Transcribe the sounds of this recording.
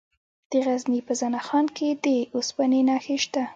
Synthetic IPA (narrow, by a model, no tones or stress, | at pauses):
d̪̥əɣaznipəzanaxɑnkʰed̪əospanenɑxeʃt̪a